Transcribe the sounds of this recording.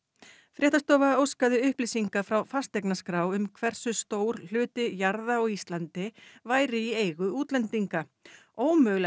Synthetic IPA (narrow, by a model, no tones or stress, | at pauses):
fɾʔɛːht̪ast̪ɔːvaowskaðɪʏhplisiŋkafɾawfast̪ɛknaskɾaːwʏmkʰvɛr̥sʏst̪oːwɾ̥l̥ʏːt̪ɪjaɾðaɔɣist̪lant̪ɪvaːjɾɪieːjɣʏuːt̪lɛnt̪iŋkaoːwmœːɣlɛ